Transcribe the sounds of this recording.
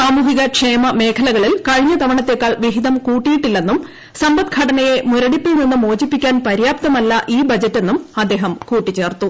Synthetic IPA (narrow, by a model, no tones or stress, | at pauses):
saːmuːɦiɣɐkʂeːmɐme̞ːkʰɐlɐɣɐɭilkɐɻiɲːɐt̪ɐʋɐɳɐt̪ːekːaːɭʋiɦiðɐmkuːʈːijiʈːilːe̞nːum | sɐmbɐd̪̚ɡʰʱɐʈɐnɐje̞muɾɐɽipːilninːumoːd͡ʑipːikʲːaːnpɐɾjaːp̚t̪ɐmɐlːɐʔiːbɐd͡ʑɐtːe̞nːumɐd̪ːe̞ːɦɐmkuːʈːit͡ɕːe̞ːrt̪u